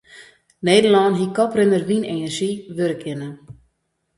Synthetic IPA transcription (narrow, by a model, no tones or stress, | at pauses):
neːdəlɔːnɦikɔprɪnərʋineːnərʒiʋøɾəkʰɪnə